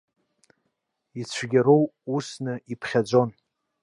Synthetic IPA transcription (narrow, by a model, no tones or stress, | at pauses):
it͡ɕʷʰɡʲaɾowusnɨipʰχʲad͡zʷo̞n